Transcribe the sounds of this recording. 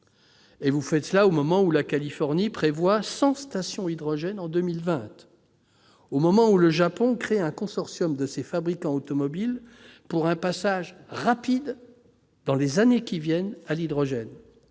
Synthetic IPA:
evufɛt̪laomɔmɑ̃ulakalifɔʁnipχevwasɑ̃st̪asjɔ̃id̪ʁɔʒɛnɑ̃d̪ømilvɛ̃t̪ | omɔmɑ̃uləʒapɔ̃kχeɛ̃kɔ̃sɔʁsjɔmd̪əsefabʁikɑ̃ot̪ɔmɔbilpuʁɛ̃pasaʒʁapid̪ | d̪ɑ̃lezanekʲivjɛnalid̪ʁɔʒɛn

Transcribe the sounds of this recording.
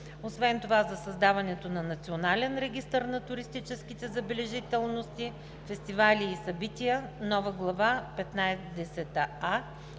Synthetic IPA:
osvɛnt̪ovazɐsɐzd̪avɐnɛt̪onɐnɐt̪sionalɛnɾɛɡ̟ʲist̪əɾnɐt̪ʊɾist̪it͡ʃɛskit̪ɛzɐbɛlɛʒit̪ɛlˠnost̪i | fɛst̪ivalʲiːsɐbit̪iənɔvəɡlˠɐvapɛt̪najd̪ɛsɛt̪aa

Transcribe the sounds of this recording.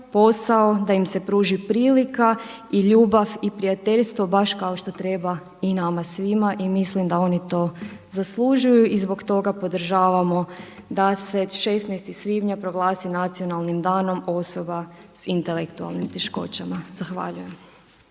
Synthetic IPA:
po̞saod̪aimse̞pɾuːʒipɾiːlika | iʎuːbaʋipɾiat̪eʎst̪ʋo̞baʃkaoʃt̪o̞t̪ɾe̞ba | inamasʋimaʔimislimd̪ao̞nit̪o̞zaslˠuʒujuʔizbo̞kt̪o̞ɡapo̞d̪ɾ̩ʒaːʋamo̞d̪ase̞ʃesnɛjst̪isʋiːbɲapɾo̞ɡlˠaːsinat̪sijo̞nalnimd̪aːno̞mo̞so̞basint̪elekt̪ua̰lˠnimt̪eʃko̞̰t͡ɕamaz̥axʋa̰ʎuje̞m

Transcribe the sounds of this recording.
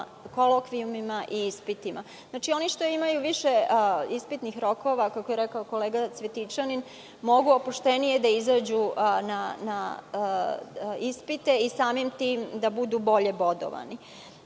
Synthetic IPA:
ko̞lokʋiumimaʔiispit̪ima | znaːt͡ʃio̞niʃt̪o̞imajuʋiʃeispit̪nixɾo̞ko̞ʋakakojeɾekaoko̞leːɡasʋet̪it͡ʂanin | mo̞ɡuopuʃt̪e̞nije̞d̪aizaːd͡ʑunana | ispit̪e̞isaːmimt̪iːmd̪abud̪ubo̞ʎe̞bo̞d̪o̰ʋa̰ni

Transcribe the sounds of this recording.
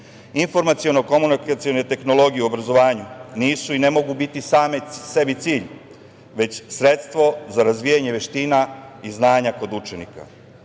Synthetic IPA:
info̞ɾmat̪sio̞noko̞munikat̪sio̞ne̞t̪e̞xno̞lo̞ɡijeuo̞bɾazo̞ʋaːɲuniːsuinemo̞ɡubit̪isaːmesebit̪siːʎ | ʋe̞t͡ɕsɾet̪st̪ʋo̞zaɾazʋijaɲe̞ʋe̞ʃt̪iːnaiznaːɲako̞d̪ut͡ʂenḭka̰

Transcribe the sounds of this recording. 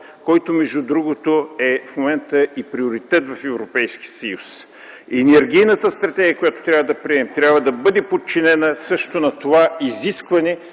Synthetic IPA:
kɔjt̪omɛʒud̪ɾuɡot̪oɛfmomɛnt̪əipɾioɾit̪ɛt̪vɐfɛvɾopɛjsk̟iəsɐjus | ɛnɛɾɡ̟ijnət̪əst̪ɾɐt̪ɛɡʲiəkojat̪o̥t̪ɾʲavəd̪ɐpɾiɛmt̪ɾʲjabvəd̪ɐbɤd̪ɛpot̪̚t͡ʃinɛnəsɤʃt̪onɐt̪ovaiziskvɐnɛ

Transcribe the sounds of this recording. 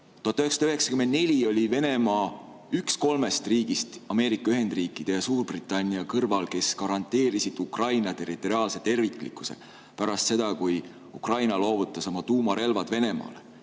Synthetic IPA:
t̪uɑt̪ɑyheksɑd̪yɦe̞ksɑ̥kymend̪̚ne̞lʲio̞lʲive̞ne̞mɑː | yksko̞lme̞st̪riːɡ̥ist̪ɑme̞ːɾikːˑɑyɦe̞nd̪̥riːkːˑid̪̥e̞jɑsuːrb̥rit̪ˑːɑnʲːiɑkɤrvɑlke̞skɑɾɑnt̪ˑe̞ːɾisid̪̥ukrɑjnɑt̪e̞ɾit̪ːˑo̞ɾiɑːlse̞t̪e̞rvikːˑlḭkːˑu̥se̞̰ | pæɾɑst̪se̞d̪̥ɑkuj | ukrɑjnɑlo̞ːvut̪ːˑɑsomɑt̪uːmɑɾe̞lvɑd̪̥ve̞ne̞mɑ̰ːle

